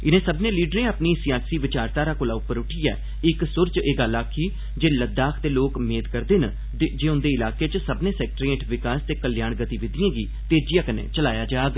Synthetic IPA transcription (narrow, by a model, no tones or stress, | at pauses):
ɪnẽːsəbnẽːliːɖɾẽːəpniːsɪjaːsiːʋɪt͡ʃaːɾt̪aːɾaːkʊlaːʊpːəɾʊʈʰiːɛ̰ː | ɪksʊɾt͡ʃeːɡəlaːkʰiː | d͡ʒeːləd̪aːkʰt̪eːloːkmeːd̪kəɾd̪eːnə | d͡ʒeːʊ̃nd̪eːɪlaːkeːt͡ʃəsəbnẽːsɛːk̚ʈɾẽːʈʰʋɪkaːst̪eːkəljaːɳɡət̪iːʋɪd̪ɪjãːɡiːt̪eːd͡ʒɪjãːkənḛːt͡ʃəlaːjaːd͡ʒaːɡ